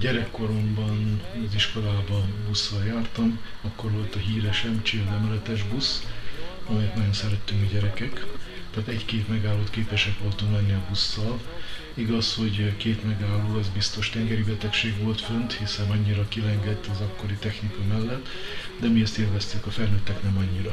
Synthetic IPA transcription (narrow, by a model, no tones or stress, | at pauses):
ɟɛɾɛkːo̞ɾo̞mbɒnɒziʃko̞laːbɒbusːɒljaːrt̪ɒmɒkːo̞rʋo̞lt̪ɒɦiːɾɛʃɛmt͡ʃiɒzɛmɛlɛt̪ɛʒbus | ɒmɛɛt̪nɒjonsɛɾɛt̪ːyŋkɒɟɛɾɛkɛkt̪aːt̪ɛckeːt̪mɛɡaːlːoːt̪keːpɛʃɛkʋo̞lt̪uŋklɛnːiɒbusːɒl | iɡɒsho̞ɟkeːt̪mɛɡaːlːoːɛzbist̪o̞ʃt̪ɛŋɡɛɾibɛt̪ɛkʃeːɡʋo̞lt̪fønt̪hisɛnɒɲːiɾɒkilɛŋɡɛt̪ːɒzɒkːo̞ɾit̪ɛxnikɒmɛlːɛt̪ː | d̪ɛmiɛst̪iːlvɛst̪ykɒfɛlnøːt̪ːɛknɛmɒɲːiɾɒ